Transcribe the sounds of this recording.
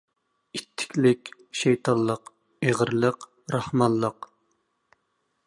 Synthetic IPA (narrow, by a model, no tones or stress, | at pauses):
it̪ʰːɪ̥kʲlɪkʲʃejt̪ʰɑlːˠəq | eʁəɾlˠəq | ɾɑhmɑlˠːəq